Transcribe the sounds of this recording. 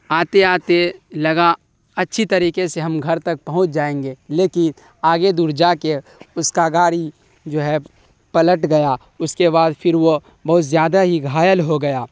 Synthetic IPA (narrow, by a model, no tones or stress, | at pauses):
aːt̪eaːt̪elɐɡa | ɐtːʃʰit̪ɐɾiːkeseɦɐmɡʱɐɾt̪ɐk̚pɐɦʊ̃t͡ʃʰd͡ʒaːẽːŋɡeːleːkɪn | aːɡed̪uɾd͡ʒaːkeʊskaɡaːɾi | d͡ʒoːɦɛ | pɐləʈɡɐja | ʊskeβaːd̪pʰɪɾʋo | bɐɦʊt̪zjaːd̪aɦiɡʱaːjəlɦoɡɐjaː